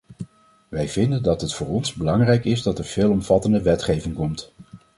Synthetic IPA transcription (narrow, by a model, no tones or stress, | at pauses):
ʋɛjv̥ɪndəndɑtɦətfʊːɹɔnzbəlɑŋrɛjkɪzdɑtɛɹv̥ɪːlˠɔmv̥ɑtəndəʋɛtχejvɪŋkɔmt